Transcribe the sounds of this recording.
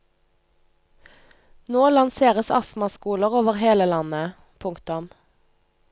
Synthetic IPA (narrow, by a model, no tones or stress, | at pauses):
noːlɑnseːʁəsɑsmɑskuːləʁoːʋəʁheːləlɑnə | pʰʊŋkt̪ʊm